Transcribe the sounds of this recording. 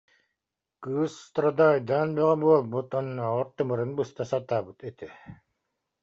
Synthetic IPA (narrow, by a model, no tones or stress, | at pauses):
kɯsːt̪ɾɔd̪aːjd̪anbɛʁɛbuɔlˠbut̪ɔnːɔʁɔɾt̪ɯmɯɾɯnbɯst̪asat̪aːbɯt̪ɛt̪ɛ